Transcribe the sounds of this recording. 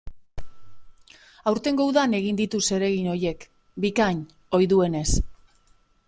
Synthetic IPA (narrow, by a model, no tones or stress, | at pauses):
awɾt̪e̞ŋɡo̞wðane̞ɣ̞ind̪it̪use̞ɾe̞ɣino̞je̞k | bikaɲ | o̞jðue̞ne̞s